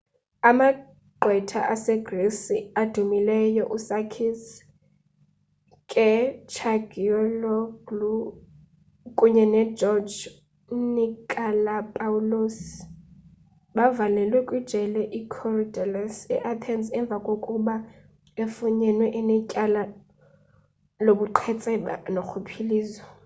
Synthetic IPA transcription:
ama | ɡ͡ǃʱwɛtʰa̰ʔasɛɡresiad̥ʱumilɛjɔʔusakʰis | kʼɛt͡ʃʰaɡiɔlɔɡlu | kʼuɲɛnɛd͡ʒɔd͡ʒ | nikʼalapʼaulos | ɓavalɛlwɛkʼwid̥ʒ̥ʱɛlɛʔikʰɔrdɛlasɛʔatʰɛnsɛɱb̪vʱakʼokʼuɓa | efuɲɛnwɛʔinɛcʼala | loɓuǃʰɛt͡sʼɛɓa̰noxʰupʰiliːzɔ

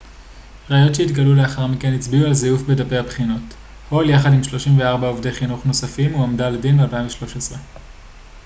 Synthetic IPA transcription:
ʁaːjo̞tʃeit̪ɡalule̞aχaʁmikenit͡sbiualzejufbedape̞jhabχino̞t | holjaχadimʃlo̞ʃimveaʁbaovdejχinuχno̞safimuamdaledinbealpaiɱveʃlo̞ʃesʁe

